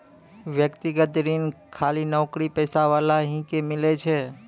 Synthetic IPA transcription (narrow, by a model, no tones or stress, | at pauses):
ʋjəkt̪iɡət̪ɾinkʰaːlinɔːkɾipəːsaʋalaɦĩkemɪlet͡ʃʰe